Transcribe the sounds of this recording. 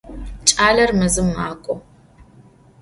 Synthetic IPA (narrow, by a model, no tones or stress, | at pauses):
t͡ʃʼaːɮɐrmɐzɨmaːkʷʼɔ